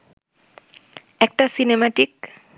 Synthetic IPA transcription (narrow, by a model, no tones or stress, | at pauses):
ɛk̚ʈasinemaʈik